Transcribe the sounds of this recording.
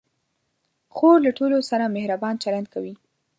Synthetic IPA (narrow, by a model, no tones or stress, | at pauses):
xoɾlaʈolosaɾamehɾabɑnt͡ʃaland̪̚kawi